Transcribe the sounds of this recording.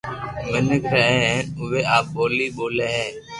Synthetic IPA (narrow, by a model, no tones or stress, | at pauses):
mɪnəkɾəɦɛ̃ːʊʋeːʔaːp̚ɓoːliːɓoːlɛːɦɛː